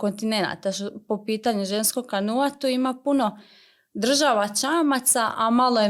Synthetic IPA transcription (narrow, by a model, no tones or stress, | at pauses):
ko̞nt̪ine̞na̰t̪aʃpopiːt̪aɲuʒe̞nskoɡkanuat̪uimapuno | d̪r̩ʒaʋat͡ʃaːmat̪saʔamaloje